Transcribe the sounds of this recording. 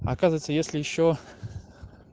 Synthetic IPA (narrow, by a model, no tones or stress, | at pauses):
ɐ̰kazəvət̪səjesʲlʲɪjɪɕːo